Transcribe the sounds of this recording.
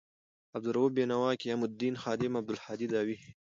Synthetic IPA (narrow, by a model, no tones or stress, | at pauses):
ab̚d̪ʊɾubenawɑːkiamʊd̪̚d̪ːiːnxɑːd̪ɪmab̚d̪ʊlħɑːd̪id̪ɑːwi